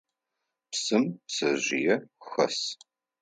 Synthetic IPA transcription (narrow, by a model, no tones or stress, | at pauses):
psɨmsɐʑʷɪjɛxɐ̰s